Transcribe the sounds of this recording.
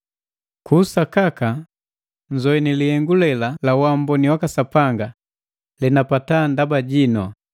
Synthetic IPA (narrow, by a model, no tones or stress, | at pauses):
kusakaka | ɲd͡ʒɔɛnilihɛŋɡulɛlalawambɔniwakasapaŋɡa | lɛnapatandabaɟinɔ